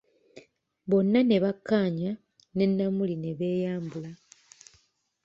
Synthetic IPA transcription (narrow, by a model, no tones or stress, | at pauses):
βo̞nːane̞βakːaːɲa | ne̞nːamuline̞βe̞ːjaːmbula